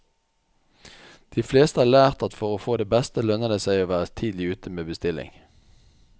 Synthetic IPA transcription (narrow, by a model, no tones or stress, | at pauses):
d̪̥iːfleːst̪əɑːʁlæːʁt̪ɑt̪fɔʁoːfoːd̪eːbɛst̪əlœnəd̪əsæɪoːʋæːʁət̪ʰiːd̪lɪʉːt̪ʰəmeːbəst̪ɪlɪ̰ŋ